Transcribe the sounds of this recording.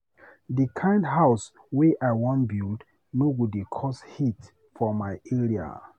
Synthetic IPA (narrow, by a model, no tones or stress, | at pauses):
dikʰãɪ̃ndɦaʊs | weʔaɪwɔ̃nbuld | noɡudekʰɔshit | fɔmaɪɛɹia̰